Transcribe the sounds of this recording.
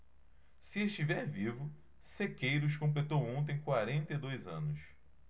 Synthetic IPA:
sɪeʃt͡ʃivɛɾvivʊ | sekejɾʊʃ̬kõmp̬let̪owõnt̪̬ẽj̃kwaɾẽnt̪ejd̪ojzɐ̰̃nʊs

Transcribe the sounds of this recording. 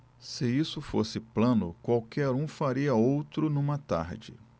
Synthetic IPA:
sɪisʊfo̰sɪplɐ̃nʊkwawkɛɾũfaɾiɐowt̪ɾʊnũmɐt̪a̰ɾd͡ʒɪ̰

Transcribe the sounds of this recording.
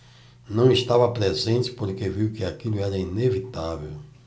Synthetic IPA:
nɐ̃w̃ist̪avɐpɾezẽnt͡ʃ̪ɪ̥poɾkeviwkɪakilʊɛɾɐinevit̪avḛw

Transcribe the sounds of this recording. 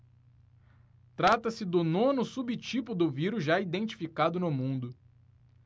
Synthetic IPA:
t̪ɾat̪ɐsɪd̪ʊnõnʊsubit͡ʃipʊd̪ʊviɾuzʒaid̪ẽnt͡ʃi̥fikad̪ʊnʊmũnd̪ʊ

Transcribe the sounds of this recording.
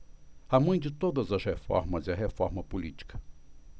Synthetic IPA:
amɐ̃j̃d͡ʒɪt̪od̪ɐzɐshefɔ̰ɾmɐzɪiɐɦefɔ̰ɾmɐpulḭt͡ʃi̥kɐ̥

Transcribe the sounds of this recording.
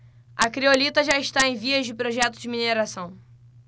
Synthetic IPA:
ɐkɾiolit̪ɐʒaɪʃt̪aẽj̃viɐzd͡ʒɪpɾoʒɛt̪ʊ̥d͡ʒɪmineɾasɐ̃w̃

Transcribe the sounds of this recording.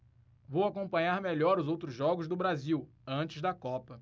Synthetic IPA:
vowakõpɐ̃ɲaɾmeʎɔɾʊzowt̪ɾʊzʒɔɡʊzd̪ʊbɾaziw | ɐ̃t͡ʃɪzd̪ɐkɔpɐ

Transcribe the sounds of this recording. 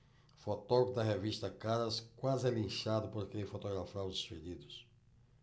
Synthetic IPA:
fot̪oɡud̪ɐɦevist̪ɐkaɾɐskwazɪɛlĩʃad̪ʊpoɾkeẽfot̪oɣɾafaɾʊzd̪espeʎid̪ʊs

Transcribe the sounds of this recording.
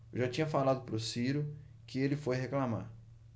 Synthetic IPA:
ʒat͡ʃĩɲɐfalad̪ʊpɾʊsiɾʊ | kɪelɪfojheklama̰ɾ

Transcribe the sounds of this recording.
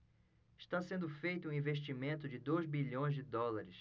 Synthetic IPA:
ɪʃt̪asẽnd̪ʊfejt̪ʊũĩveʃt͡ʃimẽnt̪ʊd͡ʒɪd̪ojzbiʎõj̃zd͡ʒɪd̪ɔlaɾɪs

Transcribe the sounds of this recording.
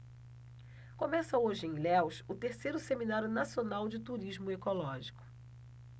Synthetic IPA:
kõmɛsɐoʒɪẽj̃lɛwʃʊt̪eɾsejɾʊseminaɾjʊnasionawd͡ʒɪt̪uɾiʒmʊekolɔʒikʊ̥

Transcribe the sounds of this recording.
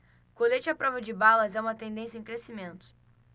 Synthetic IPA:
kolet͡ʃɪapɾɔvɐd͡ʒɪbalɐzɛũmɐt̪ẽnd̪ẽsjɐẽŋkɾesimẽnt̪ʊ̥

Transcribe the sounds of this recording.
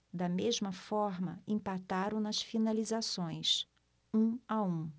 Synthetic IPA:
d̪ɐmezmɐfɔɾmɐ̰ẽpat̪aɾʊ̃w̃nɐsfinalizasõj̃s | ũaũ

